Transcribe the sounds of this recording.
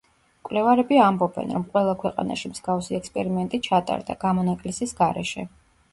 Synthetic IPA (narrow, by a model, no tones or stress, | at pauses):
kʼwlɛvaɾɛbiambɔbɛ̰nɾɔmqʼwɛlˠakʰwɛqʼa̰na̰ʃimz̥ɡafsiɛkspʼɛɾimɛnt̪ʼit͡ʃʰat̪ʼa̰ɾd̪a̰ɡ̥amɔnakʼlisisɡaɾɛ̰ʃɛ̰